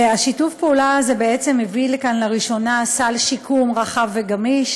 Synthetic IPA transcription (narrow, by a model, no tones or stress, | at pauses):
aʃitufpeulazebeet͡se̞mevilekanlaʁiʃo̞nasalʃikʰumʁaχavːe̞ɡamiʃ